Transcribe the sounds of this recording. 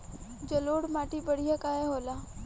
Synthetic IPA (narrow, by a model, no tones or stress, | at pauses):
d͡ʒəloːɽmaːʈibəɽ̤ijakaːeɦoːlaː